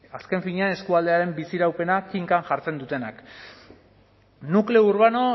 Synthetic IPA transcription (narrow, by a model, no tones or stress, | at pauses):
aske̞ɱfiɲeane̞skuald̪eaɾe̞mbisiɾawpe̞nakiŋkanʝaɾt͡se̞nd̪ut̪e̞na̰k | nukle̞uɾβ̞ano̞